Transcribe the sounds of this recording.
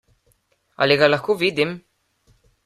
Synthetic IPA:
a̰liɡalaxuvid̪im

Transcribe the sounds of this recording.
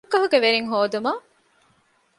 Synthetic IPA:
kːɐɦuɡeʋeɾiŋɦoːd̪umaː

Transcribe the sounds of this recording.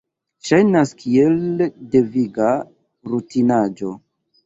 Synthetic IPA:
ʃajnaskʰie̞lde̞viɡa | ɾutinad͡ʒo̞

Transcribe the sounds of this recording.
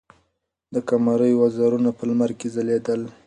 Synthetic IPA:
d̪əkamɑɾəjoazɑɾunapəlmaɾkezaled̪əl

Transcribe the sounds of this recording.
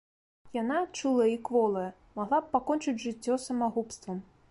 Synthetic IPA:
janat͡ʂɨlˠɐikvɔlˠɐjɐ | maɣlˠap̚pakɔnt͡ʂɨd͡zʲʐɨt͡sʲːɔsɐmaɣupst̪vɐm

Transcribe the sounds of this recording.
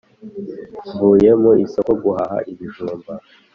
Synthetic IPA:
vuːje̞moisoko̞ɡuhaha̰ʔiβiʒuːmba

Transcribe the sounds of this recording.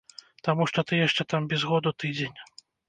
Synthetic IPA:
t̪amuʂt̪ɔt̪ɨjaʂt͡ʂɛt̪ambʲɛzɣɔd̪ut̪ɨd͡zʲenʲ

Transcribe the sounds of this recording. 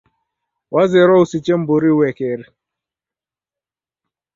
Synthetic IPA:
wazeɾɔusit͡ʃem̩bʊɾiwekeɾi

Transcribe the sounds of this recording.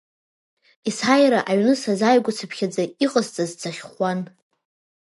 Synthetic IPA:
isħajɾaʔaɥnɨsazajɡʷʊt͡sʰɨpʰχʲad͡zaiqʼəzt͡sʼazt͡sʰaχʲχʷan

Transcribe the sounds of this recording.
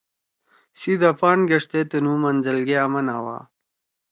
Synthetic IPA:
sid̪apaːɳɡɐʂt̪et̪ənumɐnzəlɡeamɐnawa̰ː

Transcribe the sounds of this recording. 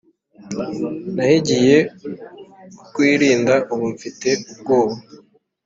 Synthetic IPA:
nahiɟije̞ | kwiːɾiːndaʔuβuɱfite̞ub̚ɡoːβo

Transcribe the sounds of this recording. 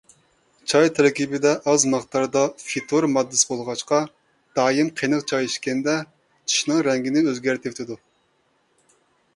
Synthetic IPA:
t͡ʃʰɑjt̪ʰɛɾkʲibɪd̪ɛʔɑzmɑχt̪ʰɑɾd̪ɑfit̪ʰoɾmɑd̪ːɨsbolˠʁɑʃqɑ | d̪̥ɑːjimqʰenɨqt͡ʃʰɑjeʃkʲɛnd̪ɛ | t̪ʰu̥ʃnɨŋɾɛŋɡʲɪnɪøzɡʲæɾt̪ʰɪpt̪ʰɪd̪u

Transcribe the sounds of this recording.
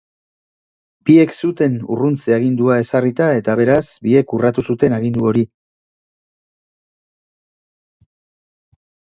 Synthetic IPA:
bie̞ksut̪e̞nṵrunt͡seaɣ̞ind̪uae̞sarit̪ae̞t̪aβe̞ɾasbie̞kurat̪usut̪e̞naɣind̪uo̞ɾi

